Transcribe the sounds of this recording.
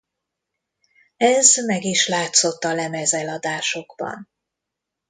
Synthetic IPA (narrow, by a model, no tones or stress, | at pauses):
ɛzmɛɡiʃlaːt̪so̞t̪ːɒlɛmɛzɛlɒd̪aːʃo̞ɡ̥bɒ̰n